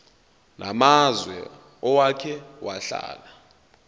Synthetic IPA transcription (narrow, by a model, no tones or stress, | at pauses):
nʔamazwɛ | ɔwakʰɛwaɬa̰ːla